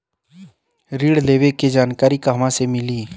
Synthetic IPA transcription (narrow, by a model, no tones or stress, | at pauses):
ɾiːɽleːʋeked͡ʒaːnkaːɾikaɦmãsemɪliː